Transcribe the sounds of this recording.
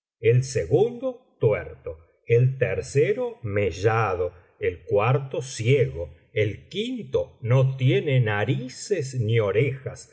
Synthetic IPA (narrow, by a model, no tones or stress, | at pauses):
elseɣund̪ot̪wɛɾt̪o | elt̪eɾseɾomeʒað̞o | elkwaɾt̪osjeɣo | elkint̪onot̪jenenaɾisesnio̞ɾexas